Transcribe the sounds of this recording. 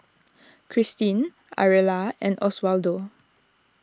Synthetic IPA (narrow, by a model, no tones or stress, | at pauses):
kʰɹistĩn | a̰ɹɛlaɛ̃nɔswaldo